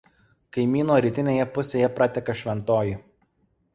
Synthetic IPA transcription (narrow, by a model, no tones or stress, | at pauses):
kɐɪmʲiːnoːɾʲiːt̪ʲɪnʲeːjɛpʊsʲeːjɛpɾɑt̪ʲɛkɐʃʲʋʲɛnt̪oːji